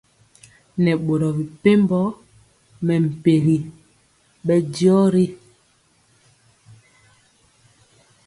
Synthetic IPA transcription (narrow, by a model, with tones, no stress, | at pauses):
nɛ˨ɓo˨ɾɔ˨bi˨pe˦mbɔ˦ | mɛ˨m̩˨pe˨ɣi˨ | ɓɛ˦djɔ˦ɾi˦